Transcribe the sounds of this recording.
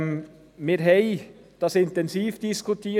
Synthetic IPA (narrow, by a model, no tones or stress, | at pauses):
mɪːɾɦɛɪd̥ɑsɪnt̪ɛnsiːfd̥iskʰutʰiː